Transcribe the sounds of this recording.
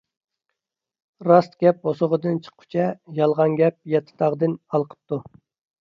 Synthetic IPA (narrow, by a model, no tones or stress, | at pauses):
ɾɑst̪ɡʲɛp̚osoʁəd̪ɨnt͡ʃʰə̥qʰːʊ̥t͡ʃʰɛjɑlˠʁɑnɡʲɛp̚jɛt̪ʰːɪ̥t̪ʰɑʁd̪ɨnɑlˠqʰə̥p̚t̪ʰu